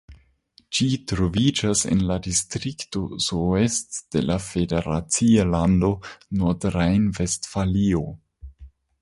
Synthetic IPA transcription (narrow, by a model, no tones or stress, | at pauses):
d͡ʒitɾo̞vid͡ʒasḛnladistɾikto̞soestd̥elafedeɾa̰t͡sialando̞nodɾajnve̞stfalio̞